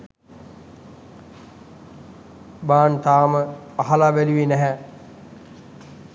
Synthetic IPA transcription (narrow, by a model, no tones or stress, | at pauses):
baːnt̪aːməaɦalaʋæluʋenɛɦɛ